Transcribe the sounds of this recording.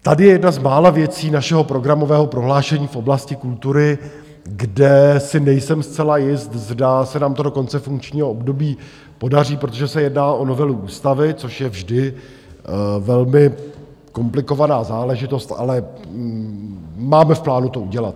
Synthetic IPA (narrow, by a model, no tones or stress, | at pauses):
t̪adɪjɛjɛdnazmaːlavjɛt͡siːnaʃɛɦo̞pɾo̞ɡɾamo̞vɛːɦo̞pɾo̞ɦlaːʃɛɲiːfʔo̞blascɪkult̪uɾɪ | ɡdɛsɪnɛjsɛmst͡sɛlajɪst̪zdasɛnaːmt̪odo̞ko̞nt͡sɛfuŋkt͡ʃɲiːɦoobdo̞biː | po̞dar̝iːpɾo̞t̪̬oʒɛsɛjɛdnaːʔo̞no̞vɛluʔuːst̪avɪt͡so̞ʃjɛvʒdɪ | vɛlmɪ | ko̞mplɪko̞vanaːzaːlɛʒɪt̪o̞st̪ʔa̰lɛ | maːmɛfplaːnut̪o̞uɟɛlat̪̚